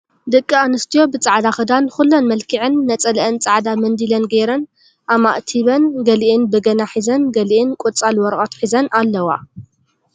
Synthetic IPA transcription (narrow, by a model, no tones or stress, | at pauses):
d̪ɨkʼːianɨst̪ʰijo̞bɨt͡sʼaʕd̪axɨd̪anxulːonmɐlkʰiʕɨnːɐt͡sʼɐlʔɨnt͡sʼaʕd̪amɐnd̪ilɐnɡɐɾɐn | ʔama̰ʔt̪ʰiβɐnɡɐlʔɨnbɨɡɐnaħizɐnɡɐliʔɨnkʼut͡sʼalwɔɾʔʼot̪ħizɐnalːɐwa̰